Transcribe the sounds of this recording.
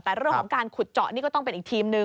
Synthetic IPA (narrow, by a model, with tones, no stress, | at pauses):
t̪ɛː˨˩ɾɯ˥˩əkʰɔ˨˩˦ŋkaː˧nkʰu˨˩t̪̚t͡ɕɔ˨˩ʔniː˥˩kɔː˥˩t̪ɔ˥˩ŋpe˧nʔ̚ːt̪ʰiː˧mnɯ˧